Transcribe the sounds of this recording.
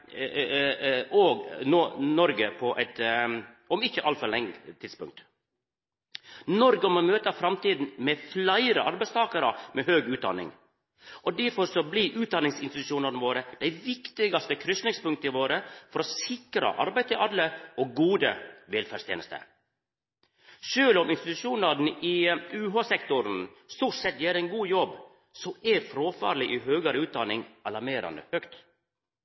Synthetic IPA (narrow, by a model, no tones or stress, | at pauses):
oːɡnoːnɔɾɡəpʰɔʔɛt̪ | ɔmɪçːəʔɑlt̪fɔɾlɛŋt̪ʰɪd̪spʊŋk̚t̪ | nɔɾɡəɔmɔmøːt̪ɑfɾɑmt̪iːd̪n̩mɛflæɪɾəʔɑɾbæɪst̪ʰɑːkɑɾəmɛɦøːɡʉːt̪̚d̪ɑ̰nɪ̰ŋ | ʔɔd̪æɾfɔɾsɔbliʔʉːt̪̚d̪ɑnɪŋsɪnst̪ɪt̪ʉʃuːnɑɾnəʋoːɾəd̪̥æɪʋɪkt̪ɪɡɑst̪əkʰɾʏsnɪŋspʉŋk̚t̪əɪʋoːɾəfɔɾɔsɪkɾɑ̰ʔɑ̰ɾbæɪt̪ʰɪlʔɑd̪ləɔɡuːd̪əʋɛlfæːst̪ʰjeːnəst̪ə̰ | ʃøːlɔmɪnst̪ɪt̪ʉʂuːnɑɾnɪʉːɦɑːsɛkt̪ʊɾn̩ | st̪uːʈsɛt̪ːjeːɾəɛɪnɡuːjɔb | sɔʔɛfɾoːfɑ̰ːɾɭɪʔɪɦøːɡəɾəʉːt̪̚d̪ɑnɪŋɑlɑɾmeːɾɑ̰nd̪ə̰høːkt̪